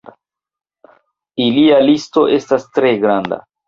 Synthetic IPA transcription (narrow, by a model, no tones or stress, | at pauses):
ilialisto̞ʔe̞stastɾe̞ɡɾanda̰